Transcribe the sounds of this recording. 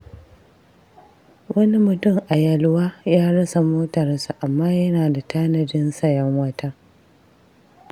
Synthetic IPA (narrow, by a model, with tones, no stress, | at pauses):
wʔɐ˦ni˦mʊ˨tʊ˦˨ŋʔa˨jɐ˨lwaː˦jaː˦ɽɐ˦sa˨moː˦tɐ˨rsu˨ʔa˨mːaː˦jɐ˦naː˨da˨taː˦nɐ˨dɪ˦nsɐ˦˨jɐ˦ŋwɐ˦tɐ˦